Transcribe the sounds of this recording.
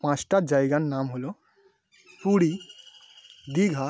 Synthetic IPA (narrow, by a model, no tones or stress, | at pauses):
pãt͡ʃʈad͡ʒajɡanːamɦolɔ | puɽi | d̪iɡʱa